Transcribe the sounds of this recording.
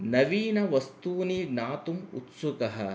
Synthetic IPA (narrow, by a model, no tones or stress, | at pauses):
nɐʋiːnɐʋɐst̪uːninaːt̪umṵt̪sukɐɦɐ